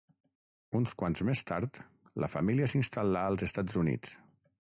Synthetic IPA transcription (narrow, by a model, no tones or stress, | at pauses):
unskwanzmest̪aɾt̪ | lə̰fəmiliəsinst̪alaəlˠzəst̪ad͡zunḭt͡s